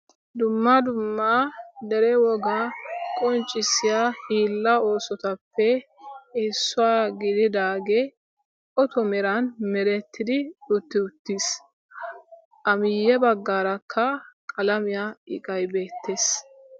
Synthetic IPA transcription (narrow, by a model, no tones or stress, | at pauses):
d̪ʊmːad̪ʊmːad̪ɛɾɛwɔɡaːkʼɔnt͡ʃʼːɪsːɪjahiːlːɐo̞ːsɔt̪ɐpːɛ | ɪsːʊwaːɡɪd̪ɪd̪aːɡɛ | ɔt̪ɔmɛɾɐnmɛɾɛt̪ʰːɪd̪ɪʊt̪ːɪʊt̪ːis | ɐmɪjːɛbɐɡːaːɾɐkʰːɐkʼɐlɐmɪjaːɪkʼɐjbe̞ːt̪ʰːeːs